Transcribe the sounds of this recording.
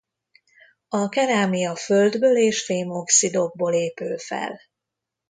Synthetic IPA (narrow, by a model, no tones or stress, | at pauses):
ɒkɛɾaːmijɒføld̪bøːleːʃfeːmoksid̪oɡ̚boːleːpyːfɛ̰l